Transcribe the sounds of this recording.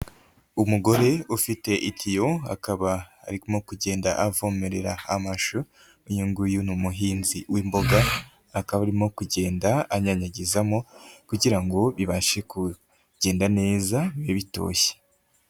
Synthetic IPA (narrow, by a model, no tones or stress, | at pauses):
umuɡo̞ɾe̞ufite̞ʔitʰijoa̰kaβa̰ːɾikmo̞kuɟe̞ːnda̰ʔavo̞me̞ɾe̞ɾaamaʃu | uɲuŋɡujunumuɦiːnziwiːmbo̞ɡaː | kaβaɾimo̞kuɟe̞ːndaaɲaɲaɟizamo̞kuɟiɾaŋɡo̞βiβaʃe̞ku | ɟ̥e̞ːndane̞ːzaβeβito̞̰ːçe̥